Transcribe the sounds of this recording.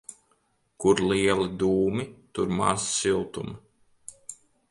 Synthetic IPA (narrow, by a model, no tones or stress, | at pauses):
kuɾlˠiɛlˠid̪uːmit̪uɾma̰ɾssilˠt̪um